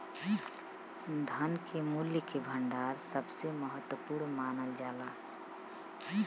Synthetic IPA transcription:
d̪ʱənkemuljəkebʱəɳɖaːɾsəbseməɦət̪wəpuːɾnmaːnəld͡ʒaːlaː

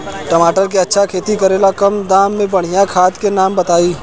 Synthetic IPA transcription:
ʈəmaːʈəɾkeɐtːʃʰakʰeːt̪ikɐɾeːlakɐmd̪aːmːẽbɐɽ̤ijakʰaːt̪kenaːmbɐt̪aːiː

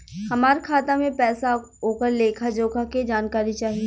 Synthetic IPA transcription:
hɐmaːɾekʰaːt̪amẽpɛːsaɦoːkəɾleːkʰad͡ʒoːkaked͡ʒaːnkaːɾit͡ʃaːɦie

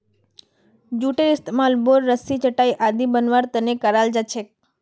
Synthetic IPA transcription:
d͡ʒuʈeɪst̪emalboɾːəsit͡ʃəʈajʔad̪ibənʋaɾt̪ənekəɾald͡ʒat͡ʃʰek̚

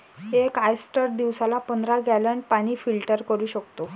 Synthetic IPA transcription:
ekajsʈəɾd̪iʋsalapənd̪ʱɾaɡɛlənpaɽ̃iːfilʈəɾkəɾuːɕəkt̪o

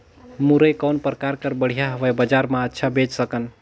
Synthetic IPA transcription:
muɾəjkawnpɾkaɾkəɾbəɽ̤ijaɦəʋəjbəd͡ʒaɾmaətːʃʰabed͡ʒsəkən

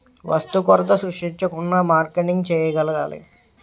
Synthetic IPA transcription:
ʋʔɐ̰st̪ukɔɾɐt̪ɐsuʂiɲt͡ʃɐkunːaːmaːɾkeʈiŋɡt͡ʃɛːjɐɡɐlɐɡaːlḭ

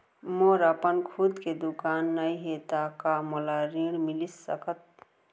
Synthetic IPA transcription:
moɾəpənkʰud̪ked̪ukaːnːəiɦet̪akamɔlaɾiɽmilisːə̰kət̪̚

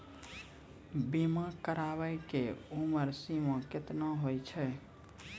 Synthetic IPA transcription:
bimãkəɾabəjkeuməɾsimə̃kɪt̪naɦojt͡ʃʰɛ

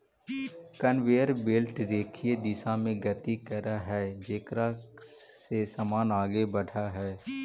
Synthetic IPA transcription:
kənʋeːəɾbeːlʈɾeːkʰied̪ɪsãmẽɡət̪ikəɾaɦɛːd͡ʒeːkɾa | sesəmaːnaːɡebɐɽ̤ʰʱaɦɛː

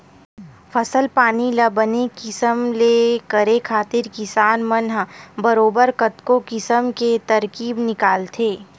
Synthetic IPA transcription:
fʰɐsəlpaːnilɐbənekɪsəmleːkəɾekʰaːt̪ɪɾkɪsaːnmɐnɦbɐɾoːbəɾkɐt̪kokɪsəmket̪ɐɾkiːbnɪkaːlt̪ʰeː

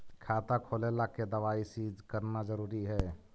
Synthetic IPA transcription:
kʰat̪akʰolelaked̪əʋaisid͡ʒkəɾnad͡ʒəɾuːɾiɦɛː

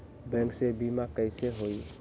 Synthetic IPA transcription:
bɛ̃ŋksebimakəɪseɦoj

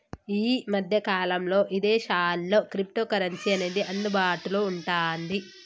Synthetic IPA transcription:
iːmɐd̪ʱjɐkaːlɐmlo̞ːʔid̪e̞ːʃaːllo̞ːkɾip̚ʈoːkɐɾɐnsiɐneːd̪iʔɐnːubaːʈuluuɳʈaːnd̪i

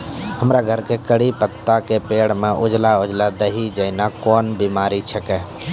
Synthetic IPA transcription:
həmɾaɡʱəɾkekəɽipət̪ːakepeːɽ̤mẽʔʊd͡ʒlaʊd͡ʒlad̪əɦid͡ʒəɪnakɔːnbiːmaːɾit͡ʃʰəkɛː

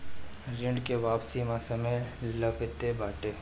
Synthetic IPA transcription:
ɾɪɳɖkeʋaːpsimãsɐmeləkət̪ebaːʈeː

